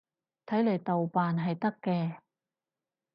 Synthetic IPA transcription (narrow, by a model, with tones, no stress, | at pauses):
t̪ʰɐ˨˥jle˨˩jt̪ɐ˨wpaː˨nɦɐ˨jt̪ɐ˥kːɛː˧